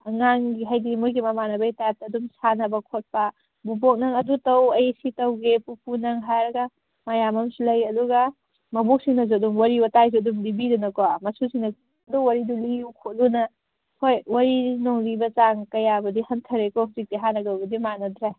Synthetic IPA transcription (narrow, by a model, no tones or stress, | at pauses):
ɐŋaŋɡiɦajdimujɡimɐmanɐbɐjtajp̚taduŋsanɐbɐkʰot̚pɐ | bub̬ok̚naŋɐdutɐwɐjsitɐwɡepupunɐŋɦaɾɐɡa | majamɐmsilɐjɐduɡɐ | mɐbuk̚siŋnɐzoduŋwɐɾiwɐtajzoduŋdibidunɐkoamɐsusiŋnɐ | duwɐɾidulijukʰot̚lunɐ | hojwɐɾinoŋlibɐt͡ʃaŋkɐjabɐdihɐntʰɐɾekɔhuzik̚tiɦanɐɡɐwbɐdimanɐdɾe